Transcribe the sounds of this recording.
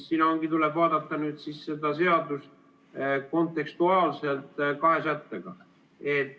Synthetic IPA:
ssinoŋɡit̪ulɛb̥vɑːd̪̥ɑt̪ˑːɑnyːd̪sisse̞d̪ɑse̞ɑd̪us | ko̞nt̪ˑe̞kst̪uɑːlse̞lt̪ˑkɑɦe̞sæt̪ːeɡ̥ɑ | et̪ːˑ

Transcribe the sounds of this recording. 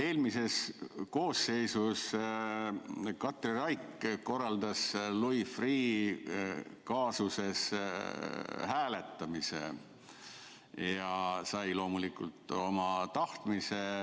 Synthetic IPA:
e̞ːlmise̞sko̞ːsːe̞jsus | kɑt̪ˑrirɑjkːko̞rːɑld̪̥ɑslujfriː | kɑːsuse̞s | hæːle̞t̪ːɑmisḛ | jɑsɑjlo̞ːmulikult̪ˑo̞mɑt̪ɑht̪mise

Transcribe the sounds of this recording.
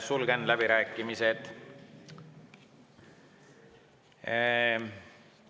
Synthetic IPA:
ssulɡenlæbiɾæːkˑːimised̪̥

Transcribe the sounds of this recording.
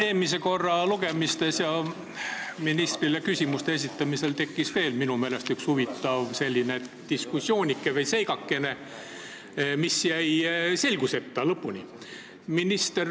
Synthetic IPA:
e̞ːmise̞ko̞rːɑluɡ̥e̞mist̪e̞sjɑ | minist̪rilekysʲimust̪ees̬it̪ːˑɑmise̞lt̪e̞kːisve̞ːlminume̞ːle̞st̪ykshuvit̪ːˑɑvse̞lʲːinet̪d̪̥iskusːjo̞ːnʲikːˑevejse̞jɡɑkːe̞ne̞ | misjæjse̞lʲɡ̥use̞t̪ːɑlɤpːunʲḭ | minist̪er

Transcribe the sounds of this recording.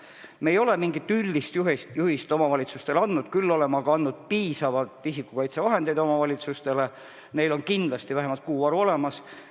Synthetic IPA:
mejo̞le̞miŋɡit̪ːˑylʲd̪ist̪juɦjuhist̪o̞mɑvɑlʲit̪sust̪e̞lɑnːud̪̥kylːo̞le̞mɑɡ̥ɑɑnːud̪̥̚piːsɑvɑlt̪ːˑisikːˑukɑjt̪sevɑɦe̞nd̪̥e̞jd̪o̞mɑvɑlʲit̪sust̪e̞le̞ | ne̞jlo̞nkind̪lɑst̪ivæɦemɑlt̪̚kuːɑɾuo̞le̞mɑs

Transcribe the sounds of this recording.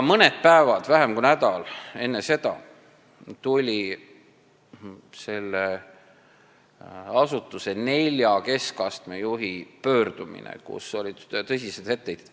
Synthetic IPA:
mɤned̪̥̚pæevɑd̪̥væɦemkunæd̪ɑle̞nːese̞d̪̥ɑ̰ | t̪ulʲi | se̞lːe | ɑsut̪ːˑuse̞ne̞lʲjɑke̞skɑst̪me̞juɦipø̞ːrd̪̥umḭnḛkṵso̞lʲit̪ɤsʲise̞d̪̥he̞t̪ːe̞jd̪̥

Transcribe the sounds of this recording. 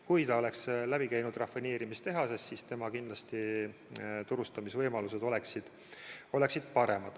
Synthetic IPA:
kujt̪ɑo̞le̞kslæb̥ikæjnud̪̥rɑfineːɾimist̪e̞ɦɑse̞st̪sist̪e̞mɑkind̪lɑst̪i | t̪uɾust̪ɑmisvɤjmɑluse̞d̪̥o̞le̞ksid̪̥ | o̞le̞ksid̪̥pɑɾe̞mɑd̪̥

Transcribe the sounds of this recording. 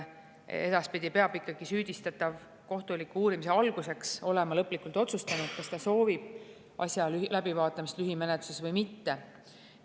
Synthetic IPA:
e̞d̪ɑspid̪ipe̞ɑbikːˑɑɡ̥isyːd̪̥ist̪ɑt̪ːˑɑv | ko̞ht̪ulikːuuːɾimise̞ɑlɡ̥use̞kso̞lemɑlɤpːˑlikːˑult̪o̞t̪sust̪ɑnud̪̥kɑst̪ɑso̞ːvib̥ | ʔɑ̰sʲjɑlylæb̥ivɑːt̪ːˑɑmist̪lyɦimenet̪ːˑu̥sesvɤjmit̪ːe̞

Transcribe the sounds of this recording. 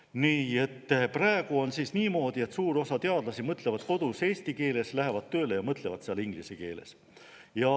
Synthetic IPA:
niːe̞t̪ːpræeɡ̥uo̞nsisniːmo̞ːd̪̥ie̞t̪suːɾo̞sɑt̪e̞ɑd̪lɑsimɤt̪ˑle̞vɑd̪̥ko̞d̪̥use̞ːsʲt̪ike̞ːle̞slæɦe̞vɑd̪̚t̪ːø̞ːlejɑmɤt̪le̞vɑt̪seɑliŋɡ̥liseke̞̰ːlḛs | jɑ

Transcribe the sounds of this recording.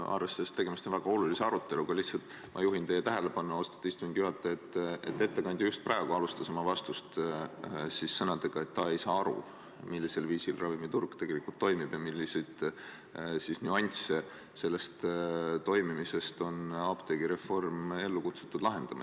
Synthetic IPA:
ʔɑ̰rvesːest̪ːeɡe̞mist̪onvæɡ̥ɑo̞lulise̞ɑɾut̪ːˑe̞lukɑlihtsɑlt̪ˑ | mʔɑ̰juɦint̪e̞jet̪æɦe̞le̞b̥ɑnːuo̞st̪ɑ̥t̪ːɑist̪uminɡ̥̪jyɑt̪ːˑeet̪ːˑḛt̪ːe̞t̪ːe̞kɑnʲd̪ʲijust̪̚prɑe̞ɡ̥uɑlust̪ɑsemɑvɑst̪ust̪ | sisːɤnɑd̪̥e̞ɡ̥ɑe̞t̪ːɑe̞jsɑːɑɾṵ | milːise̞lviːsilrɑvimit̪urɡ̥t̪e̞ɡ̥e̞likult̪ːo̞jmib̥jɑmilːisid̪̥ | sisnʲyɑnʲse | se̞lːe̞st̪t̪o̞jmimise̞st̪o̞nɑːb̥t̪eɡ̥iɾe̞fo̞rme̞lːukut̪su̥t̪ːˑud̪lɑɦe̞nd̪̥ɑmɑ̰

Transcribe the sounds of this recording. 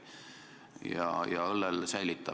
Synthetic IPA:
jɑ̰jɑ̰olːɛlsæjlit̪ːˑɑ

